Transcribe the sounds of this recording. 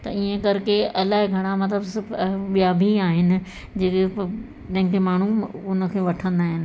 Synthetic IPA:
t̪ɐiːẽkɐɾkeʔɐlaːɦɪɡʱɐɽ̃amɐt̪̬ləbsɓijabʱiaːɦɪnɪ̆ | d͡ʑeːk | t̪ɐ̃ɦɪ̃ŋkʰemaːɳ̤uʊnə̆kʰeːʋɐʈʰə̃nd̪aːɦɪnɪ̆

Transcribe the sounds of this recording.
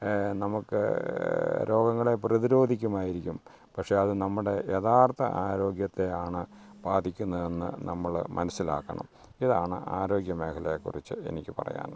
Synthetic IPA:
nɐmukːɨ̰ | ɾʔo̞ːɡɐŋːɐɭe̞prɐðiɾo̞ːd̪ʱikʲːumaːjiɾikʲːum | pɐkʂe̞ɐðɨnɐmːuɽe̞jet̪ʰaːrt̪ɐ̰ʔaːɾo̞ːɡjɐt̪ːe̞aːɳɨ | baːd̪ʱikʲːunːɐðe̞nːɨ̰nɐmːɐɭmɐ̰nɐsila̰ːkːɐ̰ɳɐ̰m | iðaːɳɨ̰ʔaːɾo̞ːɡjɐme̞ːkʰɐlɐkːṵrit͡ɕːɨe̞̰nikʲːɨpɐ̰rɐ̰ja̰ːn

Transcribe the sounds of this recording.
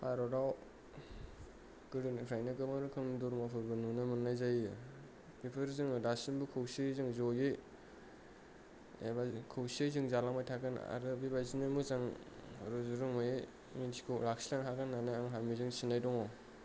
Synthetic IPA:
pʰaɾɔɾaw | ɡɯɾɯnkʰɾajnɯkɯmaɾɯkʰɯŋndɔɾmapʰɯɾbɯnunɯmɯnːajzajɯ | pipʰɯɾzɯŋdasinbukʰɯwsɯzɯŋzɔjɯ | ḛbakʰɯwsɯzɯŋzalaŋmajtʰakɯn̰a̰ɾɯbibazinɯmuzaŋ | ɾɯzuɾɯŋmɯje | minsi̥kʰɯlak̚silaŋɦaɡɯnːanajaŋɦamizɯŋsinajdɔŋɔ

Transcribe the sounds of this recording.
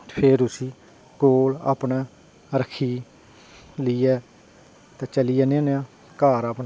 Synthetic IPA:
pʰeːɾʊsiː | koːla̰ːpnaː | ɾəkʰiː | liːɛː | t̪ɛ̃ːt͡ʃəliːɛːnãneãː | kaːɾaːpnː

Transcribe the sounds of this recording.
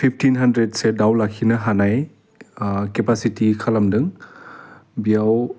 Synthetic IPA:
pʰip̚ʰtʰinɦandɾet̚sedawlakʰinɐɦanaj | kepasitikʰalamdɯŋ | bijaw

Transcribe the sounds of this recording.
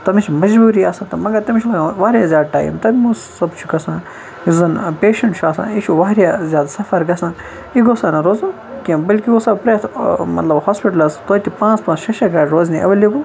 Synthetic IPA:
t̪ɐmit͡ʃʰmɐd͡ʒbuːɾiaːsãːt̪ɐmɐɡɐɾt̪ɐmiʃʰlɐɡãʋaːɾʲjazʲjaːd̪̚ʈa̰ːjḭmt̪ɐbimussɐbt͡ʃʰuɡɐsãː | izɐnpeːʃɐɳʈt͡ʃʰuaːsã̰ːiʃʰuʋaːɾjazʲjaːd̪sɐfɐɾɡɐsãː | iɡosaːnɐɾoːzãː | kʲembɐlkiosɐbpɾeːt̪ʰmɐt̪lɐbhaːspiʈɐlɐst̪oːt̪ʲipãːt͡spãːt͡sʃɐʃɐɡɐːɖɾoːzniɐ̰ʋɐliku

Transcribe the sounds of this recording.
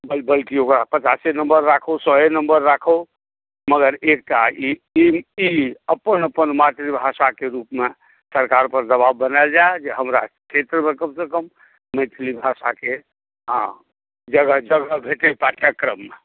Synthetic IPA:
bəlbəlkiokɾapət͡ʃasenəmbəɾːakʰowsəenəmbəɾːakʰo | məɡəɾek̚ʈaiiiəpːənəpənmat̪ɾibʱasakeɾupme | səɾkaɾpəɾd̪əβabbːənald͡ʒaed͡ʒeɦəmɾa̰kʰet̪ɾəmekəmsekəmː | əɪt̪ʰlibʱasake | ɦ | d͡ʒəɡəɦd͡ʒəɡəɦbʱeʈepaʈʰjakɾəmːe

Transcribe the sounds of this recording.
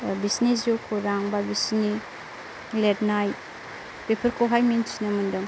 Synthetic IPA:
bisnis̬ukʰoɾaŋbabisni | letnaj | pepʰɐɾkʰoɦajminsinɐmundɯm

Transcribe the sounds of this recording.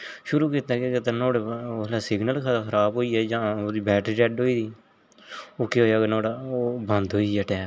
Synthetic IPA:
ʃʊɾuːkiːt̪aːkekɪt̪aːnoːɽelaːsɪɡnəlkʰəaːkʰəɾaːbɦoːiːɛːd͡ʒãːoːd̪iːbɛːʈd͡ʒɛːɖɦoːiːd̪iː | oːkeːɦoːjaːknoːɽaːoːbə̃nd̪ɦoːiɛːʈɛː

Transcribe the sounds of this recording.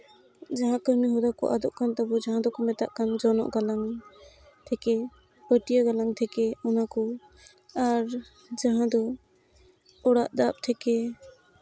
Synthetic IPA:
d͡ʒaɦãkəɾniɦɔd̪akɔ̰ʔad̪ɔʔkant̪ɔbɔd͡ʒaɦãd̪ɔkɔmɛt̪a̰ʔkand͡ʒɔnɔ̰ʔɡalaŋ | t̪ʰɛkɛ | bəʈijaɡalaŋt̪ʰɛkɛɔnakɔ | aɾ | d͡ʒaɦãd̪ɔ | ɔɽaʔd̪ap̚t̪ʰɛkɛ

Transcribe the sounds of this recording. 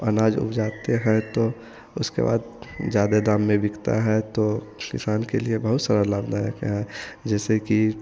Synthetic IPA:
ənaːd͡ʒʊ̰pd͡ʒaːt̪eɦɛ̃t̪o | ʊskḛba̰ːd̪d͡ʒjaːd̪ed̪aːmːẽbɪkt̪a̰ɦɛt̪o | kɪ̰saːnkeliebəɦʊt̪səɾələbnajekeɦɛd͡ʒɛːseki

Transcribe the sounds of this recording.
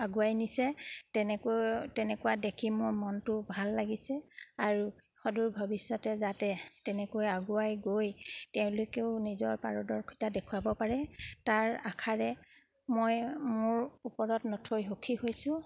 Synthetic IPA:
aɡuajnisɛtɛnɛktɛnɛkuadekʰimʊɹmɔntʊbʱalːaɡisɛaɹu | xɔduɹbʱɔbisjɔtɛzatɛtɛnɛkojaɡuajɡojtɛʊ̃lokeʊnizɔɹpa̰ɹɔdɔɹkʰitadekʰuabɔpaɹɛtaɹakʰaɹɛ | mojmʊɹupɔɹɔtnɔtʰojɦokʰihojsʊ̃

